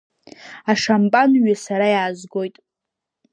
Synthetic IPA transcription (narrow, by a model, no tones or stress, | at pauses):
aʂampʼanɥasaɾajaːzɡo̞jtʼ